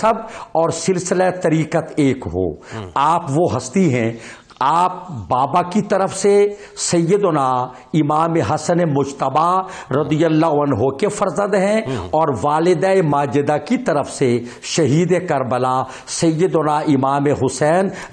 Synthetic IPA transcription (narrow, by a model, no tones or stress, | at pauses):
ɐbɔːɾsɪlsɪlat̪ɐɾiːqət̪eːkɦo̰ːaːpʋoɦɐst̪iɦɛ̃ | aːp̚baːbakit̪ɐɾəfse | sɐjːəd̪ʊna | ɪmaːmeɦɐsənemʊd͡ʒt̪əbaɾɐd̪ijəlːaːɦɐnɦokefɐɾzə̃nd̪ɦɛ̃ɔːɾʋaːlɪd̪aːemaːd͡ʒɪd̪akit̪ɐɾəfse | ʃɐɦiːd̪ekɐɾbəla | sɐjːəd̪ʊnaʔɪmaːmeɦʊsɛːn